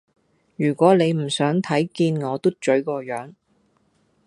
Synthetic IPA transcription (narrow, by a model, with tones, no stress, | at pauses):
jyː˨˩kʷɔː˨˥ne˨˧jm̩˨˩sœː˨˥ŋt̪ʰɐ˨˥jkiː˧nŋɔː˨˧t̪u˥t͡ʃɵ˨˥ɥkɔː˧jœː˨˥ŋ